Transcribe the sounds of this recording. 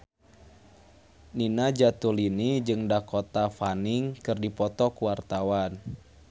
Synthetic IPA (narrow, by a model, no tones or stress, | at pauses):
ninad͡ʒat̪ulinid͡ʒɨŋdakɔt̪afaniŋkɨrdipɔt̪ɔkuwart̪awan